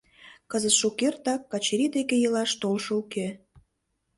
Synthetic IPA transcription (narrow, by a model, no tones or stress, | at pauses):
kəzət̪ʃukert̪ɑkːɑt͡ɕeɾid̪ekejəlɑʃt̪olʃɤuke